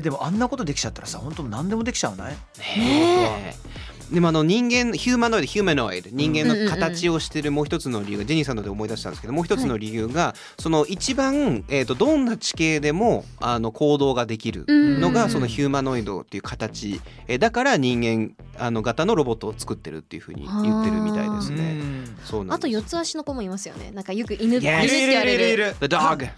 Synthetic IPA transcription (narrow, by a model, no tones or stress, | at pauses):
ed̪e̞moʔãnːako̞t̪o̞d̪e̞kʲi̥t͡ɕat̪ːaɾasa̰hõ̞nt̪onãnd̪e̞mo̞d̪ekʲi̥t͡ɕaβna̰i | ne | d̪emo̞ano̞ɲ̟ĩŋɡẽ̞nːçɨːmãnːo̞id̪o̞çʲɨːmãnoβa̰ḭd̪eɲ̟ĩŋɡẽ̞nːokat̪at͡ɕio̞ɕi̥t̪e̞ɾɯ̟moːçi̥t̪o̞t͡sɨno̞ɾʲijɯ̟ːɡad͡ʑeɲ̟isãno̞d̪eomo̞id̪aɕi̥t̪anesɨkeomoːçi̥t̪ot͡sɨno̞ɾʲijɯ̟ːɡa | so̞no̞it͡ɕibãe̞t̪ːo̞d̪õ̞nːat͡ɕi̥ke̞ːd̪e̞mo̞ | ano̞kʰo̞ːd̪o̞ːɡad̪e̞kʲiɾɯ̟̰no̞ɡaso̞no̞çɨːmano̞id̪o̞̰t̪ːe̞iɯ̟kat̪at͡ɕi | d̪akaɾaɲ̟ĩŋɡẽ̞ŋ | ano̞ɡat̪ano̞ɾo̞bo̞t̪ːoːt͡sɨ̥kɯ̟t̪ːe̞ɾɯ̟̰t̪ːe̞jɯ̟ɸɯ̟̰ːɲ̟ḭjɯt̪ːe̞ɾɯ̟mmit̪a̰id̪esɨne̞̰so̞ːna̰naojo̞t͡sɨaɕino̞komoimasɨjo̞̰nḛnãŋkajokɯ̟ʔinɯiɾɾiɾɯd̪aɡ